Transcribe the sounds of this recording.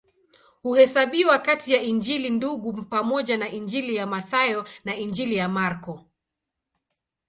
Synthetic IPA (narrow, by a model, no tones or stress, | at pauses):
huhɛsaɓiwakatijaind͡ʒilinduɠupamɔʄanaʔind͡ʒilijamaθajɔnaind͡ʒilijamaɾkɔ